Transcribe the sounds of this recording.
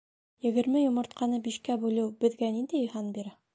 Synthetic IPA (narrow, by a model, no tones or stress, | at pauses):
jɘ̆ɡɘ̆ɾmɘjŏmɤ̆ɾt̪̚qɑnɤbiʃkæbʉlɘwbɘ̆ðɡænind̪ɘjɵ̆jɦɑnbiɾæ